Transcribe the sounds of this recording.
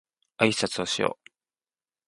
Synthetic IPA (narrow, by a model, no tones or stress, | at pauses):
aisat͡sɨoɕijo̰ː